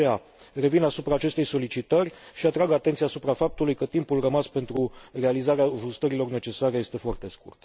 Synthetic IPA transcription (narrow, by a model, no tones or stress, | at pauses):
ea | re̞vinasupɾaːt͡ʃe̞st̪e̞jso̞lit͡ʃit̪ərʲʃiat̪ɾaɡat̪ent̪siaːsupɾafap̚t̪ulujkət̪impulrəmaspe̞nt̪ɾurealizaɾeaʒust̪əɾilo̞rne̞t͡ʃe̞saɾe̞je̞st̪e̞foart̪e̞skṵrt̪